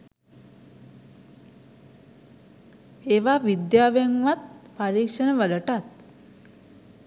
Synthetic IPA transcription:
eʋaʋid̪jaʋeŋʋat̪̚pəɾiːkʂənəʋələʈat̪̚

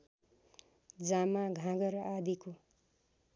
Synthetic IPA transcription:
d͡zamãɡʱãɡʌɾad̪iko

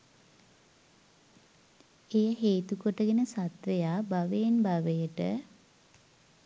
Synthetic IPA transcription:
ejəɦeːt̪ukoʈəɡenəsat̪ʋejaːbaʋenbaʋejəʈə

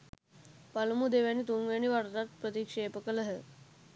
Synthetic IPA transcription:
palmud̪eʋjaniːt̪omʋjaniːʋaɾt̪at̪̚pɾət̪ikʂepəkələɦə

